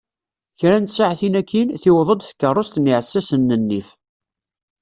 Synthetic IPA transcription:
çɾænt̪saʕθinækːinθɪwðˤəd̪θə̥kːərˤːost̪niʕəsːæsənːənːif

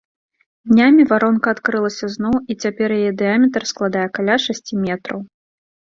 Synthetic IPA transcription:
d̪ʲnʲamʲivaɾɔnkɐːt̪kɾɨlˠɐsʲɐznɔwit͡sʲapʲɛrjajɛd̪ɨamʲɛt̪rsklˠad̪ajɛkalʲaʂasʲt͡sʲimʲɛt̪ɾɐw

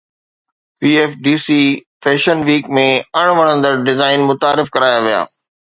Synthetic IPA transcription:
piːeːfɖiːsiːfɛːʃənʋiːkmẽɐɽ̃ʋɐɽ̃ə̃nd̪əɾɖɪzaːɪnmʊt̪aːɾɪfkɐɾaːjaʋija̰ː

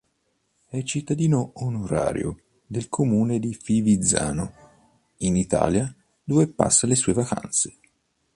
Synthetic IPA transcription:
ɛt͡ʃit̪ːad̪iːnoonoɾa̰ːɾjo̰ | d̪elkʰomuːned̪ifivid̪za̰ːno | init̪a̰ːlja | d̪oːvepa̰sːalesuːevaka̰nt̪se̥

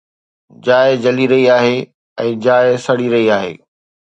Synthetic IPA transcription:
d͡ʑaːɪd͡ʑɐliɾɐɦiaːɦe | ɛ̃ːd͡ʑaːɪsɐɽiɾɐɦiaːɦḛː

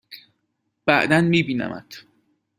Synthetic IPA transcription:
b̥æʔd̪ænmiːbiːnæ̰mæ̰t̪ʰ

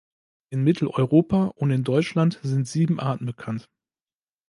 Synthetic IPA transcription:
ʔɪnmɪtʰl̩ʔɔʏʁoːpʰaʔʊntɪndɔʏt͡ʃlantz̥ɪntz̥iːbm̩ʔaːtn̩bəkʰant

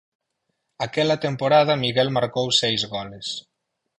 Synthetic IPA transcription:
akɛlat̪empoɾað̞ɐmiɣɛlmaɾkowsɛjzɣɔles

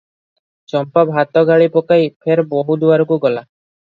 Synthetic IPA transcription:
t͡ʃɔmpabʱat̪ɔɡaɭipɔkajpʰeɾbɔɦud̪uaɾɔkuɡɔla

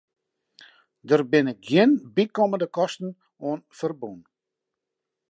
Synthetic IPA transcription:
dərbɪnɪkɡjiənbikɔməndəkɔstn̩ | oənfərbun

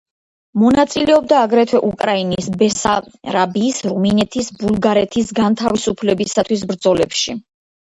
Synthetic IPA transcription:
mɔnat̪sʼilɛɔb̚d̪aːɡɾɛt̪ʰwɛʔukʼɾainisbɛsaɾabiːsɾuminɛt̪ʰisbulˠɡaɾɛt̪ʰisɡant̪ʰavisupʰlɛbisat̪ʰwis̬bɾd̪zɔlɛpʃi

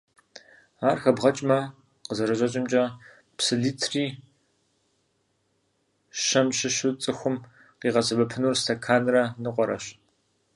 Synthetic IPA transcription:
aːrxɐbʁɐt͡ʃʼmɐ | qəzɐrɐʑʼɐt͡ʃʼɪmt͡ʃʼɐ | psɨɮiːtʰriː | ʃɐmɕɪɕɨt͡sʼɨxʷʊm | qiːʁɐsɐbɐpʰɨnuːrstʰɐkʰaːnrɐnɨqʷɔɾɐ̰ɕ

